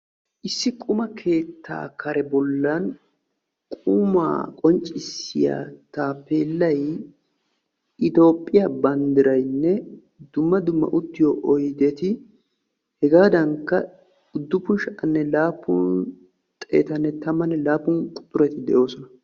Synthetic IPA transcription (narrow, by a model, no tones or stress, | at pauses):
ʔɪsːɪkʼʊmɐkʰe̞ːt̪ʰːa̰ːkʰɐɾɛbɔlːɐn | kʼʊma̰ːkʼɔnt͡ʃʼːɪsːɪja̰ːt̪aːpːeːlːɐj | ʔɪt̪o̞ːpʼːɪjabɐnd̪ɪɾɐjnːɛ | d̪ʊmːɐd̪ʊmːɐ̰ʔʊt̪ːɪjoʔɔjd̪et̪ɪ | hɛɡaːd̪ɐŋkːɐ | ʊd̪ːʊpʊʃʔɐnːɛlaːpːʊn | t̪ʼe̞̰ːt̪ɐnːɛt̪ɐmːɐnːɛlaːpːʊŋkʼʊ̥t̪ʼːʊɾɛt̪ɪd̪ɛ̰ʔo̞ːsɔnɐ